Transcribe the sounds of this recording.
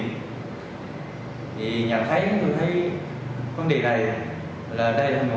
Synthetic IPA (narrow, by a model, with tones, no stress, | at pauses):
t̪ʰi˨˩ɲə˨˩t̪ʰə˨˦jka˨˦t̪ʰɨ˨˩t̪ʰə˨˦j | kwə˨˧˦nɗḭ˨˩na˨˩j | laː˨˩ɗə˧jlaː˨˩m˨˩˨